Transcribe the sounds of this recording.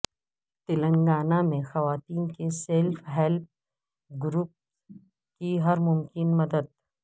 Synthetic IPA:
t̪ɪlə̃ŋɡaːnamẽxɐʋaːt̪iːnkeseːlfɦɛlp̚ | ɡɾuːp̚ | kiɦɐɾmʊmkɪnmɐd̪əd̪̚

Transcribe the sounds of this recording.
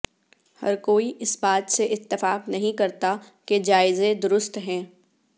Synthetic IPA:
hɐ̰ɾkoːiʔɪsbaːt̪seʔɪt̪ːɪfaːqnɐɦĩkɐɾt̪a | ked͡ʒaːɪzẽd̪ʊɾʊst̪ɦɛ̃ː

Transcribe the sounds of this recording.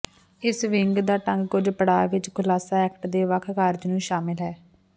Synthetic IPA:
ɪsʋɪŋɡd̪aːʈəŋɡkʊd͡ʒpəɽaːʋɪt͡ʃkʰʊlaːsaːɛːkʈd̪eːʋəkʰkaːɾd͡ʒnũːʃaːmɪlɦɛː

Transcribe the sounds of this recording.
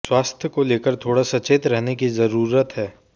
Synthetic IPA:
swaːst̪ʰjəkoleːkəɾt̪ʰoːɽasɐt͡ʃeːt̪ɾɛɦnekizɐɾuːɾət̪ɦɛː

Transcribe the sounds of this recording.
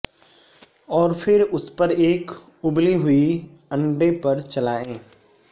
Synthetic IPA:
ɔːɾfʰɪɾʊspɐɾeːk | ʊbliɦʊi | ɐ̃ɳɖepɐɾt͡ʃɐlaːẽː

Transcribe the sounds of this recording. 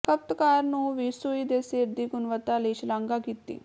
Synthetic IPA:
kəpt̪kaːɾnũːʋiːsuiːd̪eːseːɾd̪iːɡʊnʋət̪aːləiːt͡ʃəlãːŋɡaːkiːt̪ḭː

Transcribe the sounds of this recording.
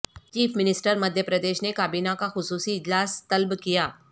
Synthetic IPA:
t͡ʃiːfʰmɪnɪsʈəɾmɐd̪ʱjəpɾɐd̪eːʃnekaːbiːnakaxʊsuːsiɪd͡ʒlaːst̪ɐlbkijaː

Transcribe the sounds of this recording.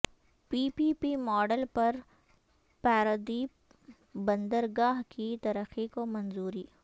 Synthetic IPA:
piːpiːpimɔːɖəlpɐɾ | paːɾəd̪i | bɐ̃nd̪əɾɡaːɦkit̪ɐɾəxikomɐnzuːɾiː

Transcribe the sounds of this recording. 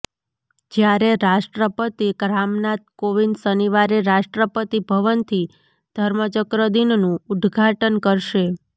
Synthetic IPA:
d͡ʒjaɾeɾaʃʈɾəpət̪ikɾamnat̪̚koʋinsəniʋaɾeɾaʃʈɾəpət̪ibʱəʋənt̪ʰi | d̪̥ʱəɾmət͡ʃəkɾəd̪innũud̪ɡʱaʈənkəɾʃe

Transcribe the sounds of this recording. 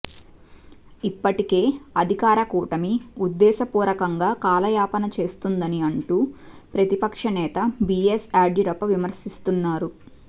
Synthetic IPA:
ipːɐʈike̞ːɐd̪ʱikaːɾɐkuːʈɐmiud̪ːɛːsɐpuːɾɐkɐŋɡaːkaːlɐjaːpɐnɐt͡ʃe̞ːst̪und̪ɐniɐɳʈuːpɾɐt̪ipɐkʂɐnɛːt̪ɐbiesaːɖiɾɐpɐʋimɐɾsist̪unːaːɾu

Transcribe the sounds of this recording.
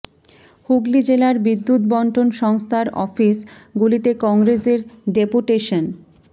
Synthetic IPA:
huɡlid͡ʑelaɾbid̪ːut̪̚bɔɳʈʰonʃɔŋst̪ʰaɾɔ̰fisɡulit̪ekɔŋɾeseɾɖepuʈeʃon

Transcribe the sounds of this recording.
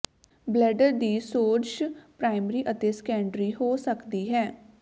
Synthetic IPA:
blɛːɖəɾd̪iːsoːt͡ʃpɾaːɪməɾiːʔət̪eːskɛːɳɖɾiːhoːsəkd̪iːɦɛː

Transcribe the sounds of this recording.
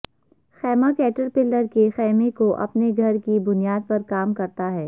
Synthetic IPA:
xɛːmakɛːʈəɾpɪlːəɾkexɛːmekoʔɐ̰pneɡʱɐɾkibʊnijaːd̪̚pɐɾkaːmkɐɾt̪aɦɛː

